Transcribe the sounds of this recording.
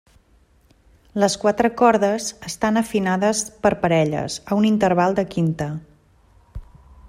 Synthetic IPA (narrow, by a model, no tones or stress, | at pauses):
ləskwat̪ɾəkɔɾðəzəst̪anəfinaðəspəɾpəɾɛʎə̰zəunint̪əɾβalˠd̪əkint̪ə